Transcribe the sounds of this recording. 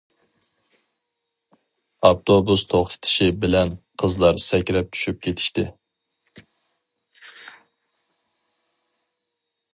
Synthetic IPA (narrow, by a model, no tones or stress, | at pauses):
ɑpt̪ʰobust̪ʰoχt̪ʰɨ̥t̪ʰɪ̥ʃibɪlɛnqʰəzlˠɑɾsɛkʲɾɛp̚t͡ʃʲʰy̥ʃyp̚kʲʰet̪ʰɪ̥ʃt̪ɪ